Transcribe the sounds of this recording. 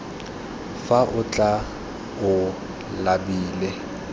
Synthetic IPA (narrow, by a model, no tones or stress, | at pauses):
faʔʊt͡ɬʼa | ʊ | labiːlɛ